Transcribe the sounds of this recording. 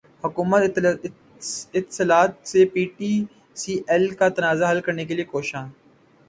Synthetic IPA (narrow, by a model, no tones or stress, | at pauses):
hʊkuːmət̪ | ɪt̪səlaːt̪̚sepiːʈiː | siːʔɛlkat̪ɐnaːzaɦɐlkɐɾnek̬eliekoːʃãː